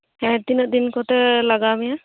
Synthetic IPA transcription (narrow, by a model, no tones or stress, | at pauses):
ɛ̃t̪inɔʔd̪inkɔtɛlaɡamija